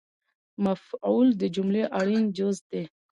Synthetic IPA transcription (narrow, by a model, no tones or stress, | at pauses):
mafuld̪əd͡ʒumleʔaɽind͡ʒozd̪e